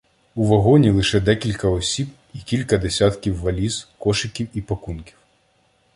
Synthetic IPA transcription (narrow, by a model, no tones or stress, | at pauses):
uʋɐɦɔnʲilˠɪʃɛd̪ɛkʲilʲkɐɔsʲib | ikʲilʲkɐd̪esʲat̪kʲiwːɐlʲizkɔʃɪkʲiwipɐkunkʲi̥w